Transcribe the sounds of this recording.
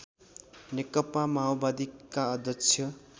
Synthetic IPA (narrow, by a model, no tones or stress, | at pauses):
nekʌpamaobad̪ikːaʌd̪ʱjʌkt͡sʰjʌ